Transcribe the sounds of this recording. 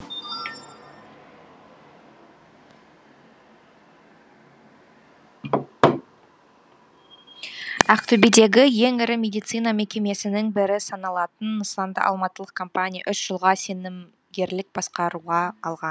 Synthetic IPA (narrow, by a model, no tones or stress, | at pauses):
æqt̪ʰɵbid̪e̞ɡʲɪje̞ŋɪɾɪmʲe̞d̪ijt̪sɨjnɑme̞kʲe̞me̞sɪnɪŋbɪɾɪsɑnɑlˠɑt̪ənːəsɑnd̪ə̰ʔɑ̰lˠmɑt̪əlˠəq̚kʰompanʲija̰ʔʏsʒ̥əlˠʁɑse̞nɪm | ɡʲe̞ɾlɪk̚bɑsqɑɾuʁɑːlˠʁɑn